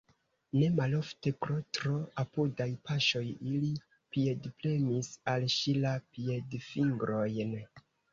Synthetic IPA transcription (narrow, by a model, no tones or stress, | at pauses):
ne̞malo̞fte̞pɾo̞tɾo̞apudajpaʃo̞jili | pie̞dple̞misalʃilapie̞dfiŋɡɾo̞jn